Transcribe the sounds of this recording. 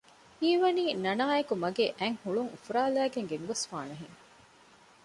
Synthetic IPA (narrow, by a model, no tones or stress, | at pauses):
iːʋɐniːnɐnaːekumɐɡeːʔæŋhuɭuŋufuɾaːlæːɡeŋɡeŋɡɐsfaːnɐɦiŋ